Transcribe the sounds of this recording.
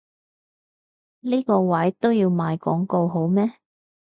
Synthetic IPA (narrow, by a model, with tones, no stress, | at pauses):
liː˥kɔː˧wɐ˨˥jt̪o˥wjiː˧wmaː˨˧jkɔ̰ː˨˥ŋko˧wɦo˨˥wmɛː˥